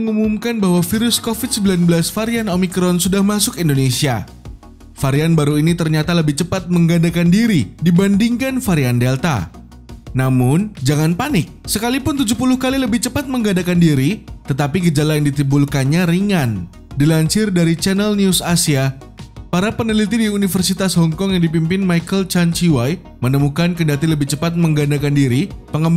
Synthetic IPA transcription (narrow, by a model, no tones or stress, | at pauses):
əŋumumkanbaɦwafiɾʊskofid̪səmbilanbəlasfaɾianomikɾɔnsudahmasʊkindonesia̰ | faɾianbaɾuinit̪ərɲat̪aləbɪht͡ʃəpat̪̚məŋɡadakandiɾidibandiŋkanfaɾiandɛlt̪a̰ | namʊnd͡ʒaŋanpanɪk̚səkalipʊnt̪ud͡ʒup̬ulʊhkaliləbɪht͡ʃəpat̪̚məŋɡadakandiɾit̪ət̪apiɡəd͡ʒalajaŋdit̪imbulkanɲaɾiŋan | dilaɲt͡ʃɪrdaɾit͡ʃɛnəlniusasia | paɾapənəlit̪idiunifərsit̪ashɔŋkɔŋjaŋdip̬impɪnmajkəlt͡ʃant͡ʃiwaj | mənəmukankəndat̪iləbɪht͡ʃəpat̪̚məŋɡandakandiɾipəŋəm